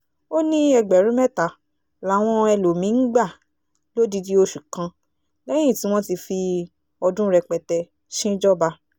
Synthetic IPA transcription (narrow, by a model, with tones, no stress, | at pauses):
o˦nĩ˦ɛ˧ɡ͡bɛ˨ɾ̃ũ˨˦mɛ˦˨ta˨˦ | la˨˦w̃ɔ̃˦ɛ˧lo˨mĩ˨˦ɡ͡ba˦˨ | lo˦di˧di˧o˧ʃu˨kã˨˧ | lɛ̃˦ĩ˦˨ti˨˦w̃ɔ̃˦ti˧fi˧ | ɔ˧dũ˦ɾɛ˧k͡pɛ˧tɛ˧ | ʃĩ˦d͡ʒɔ˦ba˧